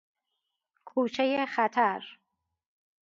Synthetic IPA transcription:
kʰuːt͡ʃʰejexæt̪ʰæɾ

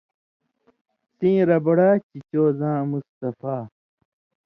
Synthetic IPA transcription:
sĩːɾɐbɐɽaːt͡ɕit͡ɕoːzãːmust̪ɐfaː

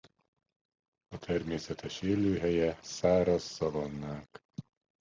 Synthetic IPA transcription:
ɒt̪ʰɛrmeːsɛt̪ʰɛʃeːløːɦɛjɛsaːɾɒsːɒvɒnːaːk

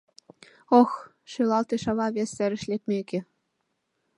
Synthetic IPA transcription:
ox | ʃylˠɑlˠt̪eʃɑβɑβʲesɘ̆ɾɘ̆ʃlʲekmʲekʲĕ

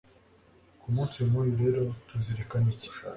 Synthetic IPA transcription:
kumut͡siemuɾiɾeɾotuziɾekanici̥

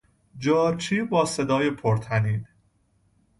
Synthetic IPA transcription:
d͡ʒɒːɾt͡ʃʰiːbɒːse̞d̪ɒːjepʰoɾt̪ʰæniːn

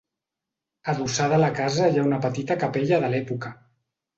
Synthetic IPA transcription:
əðusaðələkazəjaunəpət̪it̪əkəpɛʎəðəlɛpukə

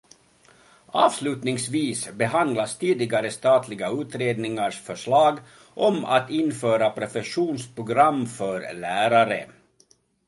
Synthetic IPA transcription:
ʔɑːvslʉ̟ːt̪nɪŋsviːsbɛɦand̪last̪ʰiːd̪ɪɡaɾəst̪ɑːt̪ʰlɪɡaʉ̟ːt̪ɾeːd̪nɪŋaʂfœʂɭɑːɡ | ʔɔma̰t̪ɪnfœːɾapʰɾɛfɛʂuːnspɾʊɡɾamːfœɾlæːɾaɾə̰

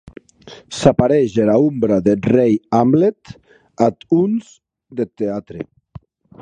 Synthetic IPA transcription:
sapaɾɛʒenaumbɾaðerejamblet̪ | at̪unz | d̪et̪ːeat̪ɾe

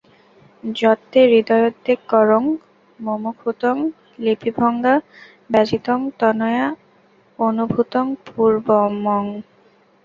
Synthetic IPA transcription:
d͡ʑɔt̪ːeɾid̪ɔjod̪ekːɔɾoŋ | momukʰut̪oŋ | lipʰibʱɔŋɡa | bɛd͡ʑit̪oŋt̪ɔnoja | onubʱut̪oŋpuɾbomɔŋ

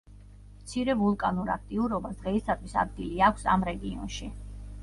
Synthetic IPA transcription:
mt̪sʰiɾɛvulˠkʼanuɾa̰kʰt̪ʼiuɾɔbasd̪̥ʁɛist̪at̪ʰwisa̰d̪̚ɡiliakʷʰsa̰mɾɛɡiɔ̰nʃi

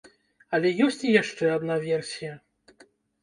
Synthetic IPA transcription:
ɐlʲɛjɔsʲt͡sʲijaʂt͡ʂɛad̪navʲɛrsʲijɐ

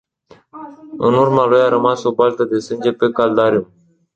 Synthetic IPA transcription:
ɨnurmalujaɾəmasobalt̪əd̪e̞sɨnd͡ʒepe̞kald̪aɾium

